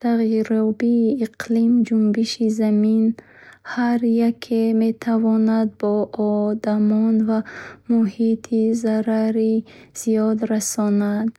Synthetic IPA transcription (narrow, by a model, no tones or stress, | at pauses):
t̪ʰaʁjiɾɔbiːqlimd͡ʒumbiʃizamin | haɾjakʰeme̞t̪ʰavɔnad̪̚bɔʔɔd̪amɔnvamuhit̪ʰizaɾaɾiz̥ijɔd̪ɾasɔnad̪